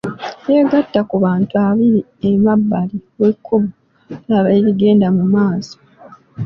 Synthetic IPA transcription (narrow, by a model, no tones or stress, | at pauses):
je̞ːɡatːakuβaːntuaβiɾi | emabːaliwekʰːuβu | aβeɾiɡe̞ːndamumaːso̥